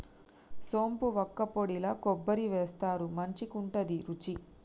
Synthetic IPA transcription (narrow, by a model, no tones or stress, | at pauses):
so̞ːmpuʋɔkːɐpoɽilɐkɔbːɐɾiʋeːst̪aːɾumɐɲt͡ʃikuɳʈɐd̪iɾut͡ʃi